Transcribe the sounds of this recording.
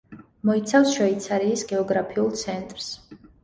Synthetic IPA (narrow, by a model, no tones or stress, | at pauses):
mɔit̪sʰafsʃwɛit̪sʰaɾiːsɡɛɔɡɾapʰiulˠt̪sʰɛnt̪ʼɾs